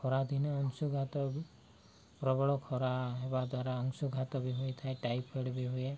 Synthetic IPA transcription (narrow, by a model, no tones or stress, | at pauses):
kʰɔɾad̪ʱineɔŋsuɡʱat̪ɔ | pɾɔbɔɭɔkʰɔɾaɦebad̪waɾaɔŋsuɡʱat̪ɔbiɦuet̪ʰaeʈajpeɽbiɦue